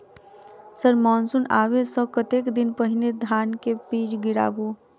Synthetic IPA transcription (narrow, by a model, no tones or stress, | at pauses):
səɾmɔːnsunaːwesəkət̪eːkd̪ɪnpəɦɪned̪ʱaːnkepiːd͡ʒɡɪɽa̰ːbu